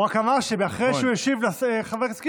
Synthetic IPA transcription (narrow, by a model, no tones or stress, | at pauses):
akamaʃebeaχʁejʃeujeʃivlaeχaveʁski